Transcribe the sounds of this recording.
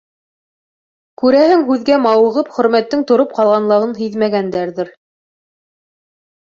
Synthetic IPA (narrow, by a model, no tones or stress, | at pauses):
kʉɾæhɘŋɦʉðɡæmɑwɤ̆ʁɤpχɵ̆ɾmæt̪ːɘŋt̪ŏɾop̚qɑlˠʁɑnlˠɤʁɤnɦiðmæɡænd̪æɾðɘɾ